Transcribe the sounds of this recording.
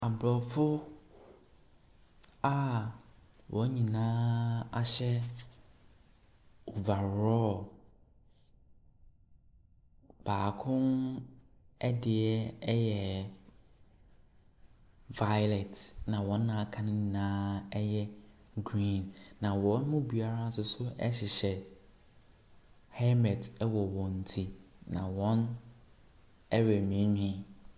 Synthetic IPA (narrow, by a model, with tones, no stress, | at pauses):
a˨blɔ˨fʊ˦ | a˦ | wʔɔ˨˦ɲĩ˨nãː˦a˦ɕɛ˦ | o˨va˨ɾɔ˦ | baː˨kʰʊ̃˦n | ɛ˦dɪ˨ɛ˦ɛ˦jɛ˨ | va˦jlɛ˨tnã˨wɔ̃˦nː˦ã˦a˦˨kʰã˦nɪ̃˦nãː˦ɛ˦jɛ˦ | ɡɾĩ˦˨nːã˨wɔ̃˦n˦mʊ̃˦bi˨a˨ɾa˦sʊ˨˦sʊ˦ʔɛ̰˦ɕɪ˨ɕɛ˨ | hɛ˦mɛ˨tɛ˦wɔ˨wɔ̃˨n̩˨tʰi˨ | nã˨wɔ̃˦n | ɛ˦ɥɛ˨mĩ˨˦ɲᶣĩ˨˦˨